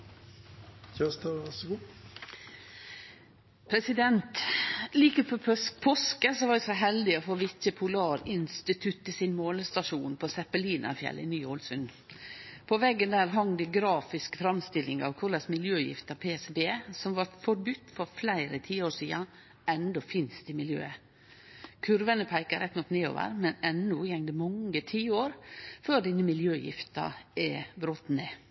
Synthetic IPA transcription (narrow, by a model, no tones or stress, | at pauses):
çæst̪ɑʋæsəɡuː | pʰɾɛsɪd̪ɛnt̪liːkəpʰopʰoːskəsɔʋɑːd̪ɛsɔɦɛld̪ɪɔfoːʋɪt̪əpʰʊlɑːɾɪnst̪ɪt̪ʰʉt̪ːisɪnmoːləst̪ɑʃuːnpʰoːsɛpəliːnɑ̰ɾfjɛ̰lːɪ̰nyːulsʉn | pʰɔʋɛɡːənd̪æːɾɦɑŋd̪ɪɡɾɑːfɪskfɾɑmst̪ɪlːɪŋɑ̰ʋkʰʊɾɭɑsmɪljøːjɪ̰ft̪ɑpʰeːɛsbeːsɔmʋɑɾfɔɾbʉt̪ːfɔɾflæɪɾət̪ʰiːoːʂiːɑ | ɛnd̪ɔfɪnst̪ɪmɪljø̰ːə | kʰʉɾʋənəpʰæɪkəɾɛt̪ːnɔkːneːo̰ːʋə̰ɾmɛnɛnːʊjɛŋd̪əmɑŋət̪ʰiːoːɾføːɖɪnəmɪljøːjɪ̰ft̪ɑ̰ɛbɾoːt̪neː